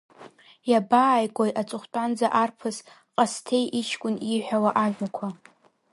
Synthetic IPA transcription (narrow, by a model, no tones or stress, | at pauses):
jabaːjɡʷʼojat͡sʼʊχʷtʼand͡zaʔarpʰɨs | qʼastʰe̞jʔiʃʰkʷʼʊniħʷᶣawaʔaʒʲʷᶣakʷʰa